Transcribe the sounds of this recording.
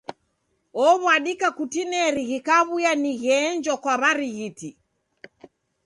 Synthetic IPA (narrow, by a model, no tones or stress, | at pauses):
ɔβwaɗikakutinɛɾiɣikaβujaniɣɛɲd͡ʒɔkwaβaɾiɣiti